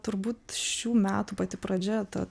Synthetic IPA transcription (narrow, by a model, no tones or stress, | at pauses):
t̪ʊɾbuːt̪ʃʲuːmʲæːt̪uːpɐt̪ʲɪpɾɐd͡ʒʲɛt̪ɐ